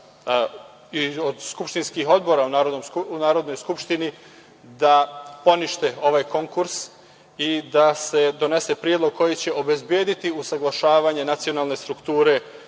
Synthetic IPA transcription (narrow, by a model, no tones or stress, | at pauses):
iod̪skupʃt̪inskiɦo̞d̪bo̞ɾaunaːɾod̪nomunaːɾo̞d̪no̞jskupʃt̪ini | d̪apo̞niʃt̪e̞o̞ʋaːjko̞ŋkuɾs | id̪ase̞d̪o̞ne̞se̞pɾijed̪lo̞ɡ̚kʰo̞jit͡ɕe̞ʔo̞be̞zbjeːd̪it̪iusaɡlˠaʃaːʋaːɲe̞nat̪sio̞naːlˠne̞st̪ɾukt̪uːɾe̞